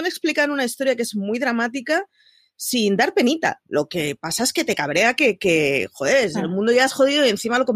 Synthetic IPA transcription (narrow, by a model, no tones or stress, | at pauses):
ane̞ksplikanunaist̪o̞ɾjake̞zmujðɾamat̪̬ika | sind̪aɾpe̞nit̪a̰loke̞pasaeske̞t̪e̞kaβ̞ɾe̞ake̞ke̞xoeselmũnd̪oʝaasxo̞ðiðoie̞nθimalo̞ko̞m